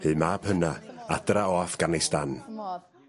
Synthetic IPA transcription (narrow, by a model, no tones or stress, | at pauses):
hɨːmaːb̥hənaadraoafɡ̥anɪstan